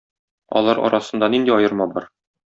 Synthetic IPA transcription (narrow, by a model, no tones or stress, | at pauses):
ɒ̰lˠɑɾɒ̰ɾɑsɤ̆nd̪ɑnind̪iɒjɤ̆ɾmɑbɒɾ